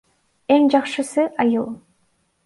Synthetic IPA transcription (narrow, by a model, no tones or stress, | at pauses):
eŋd͡ʒɑqʃɯsɯʔɑjɯlˠ